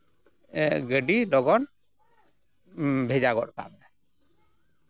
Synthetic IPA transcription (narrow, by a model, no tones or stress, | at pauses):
ɛɡəɖilɔɡɔn | bʱed͡ʒaɡɔʔ̚ka̰ba